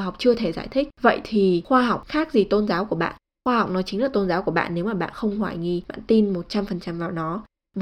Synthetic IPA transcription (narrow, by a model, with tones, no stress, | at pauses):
ɦwk͡p̚t͡ɕɨ˧ət̪ʰe˧˩zaː˧˩jt̪ʰï˦˥k̟̚və̰˧˨jt̪ʰi˨˩xwaː˧ɦa˨˩wk͡p̚xaː˦˥k̚zi˨˩t̪o˧nzaː˨˦wku˧˩əɓa̰ː˧˨n | xwaː˧ha˨˩wk͡p̚nɔ˨˦jt͡ɕï˨˦ŋ̟laː˨˩t̪o˧nzaː˨˦wku˧˩əɓa̰ː˧˨nːe˨˦wmaː˨˩ɓa̰ː˧˨nxə˧wŋ͡mhwaː˧˩jŋi˧˩ɓa̰ː˧˨nt̪i˧nmo˨˩t̚t͡ɕa˧mfə˨˩nt͡ɕa˧mvaː˨˩wnɔ˨˦ | v